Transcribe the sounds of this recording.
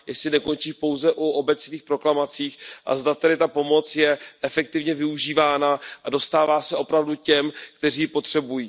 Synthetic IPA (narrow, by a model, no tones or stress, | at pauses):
jɛsɪnɛko̞nt͡ʃiːʃpo̞wzɛʔuʔo̞bɛt͡sniːxpɾo̞klamat͡siːxʔa̰zd̪at̪ɛdɪt̪apo̞mo̞t͡sjɛʔɛfɛk̚t̪ɪvɲɛvɪuʒiːvaːnaʔado̞st̪aːvaːsɛʔo̞pɾavducɛmkt̪ɛriːpo̞t̪r̝̥ɛbujiː